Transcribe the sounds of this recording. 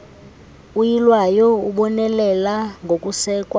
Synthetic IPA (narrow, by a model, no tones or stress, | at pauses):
ujilwajɔuɓɔnɛlɛlaŋɡʱokʼusɛːkʼwa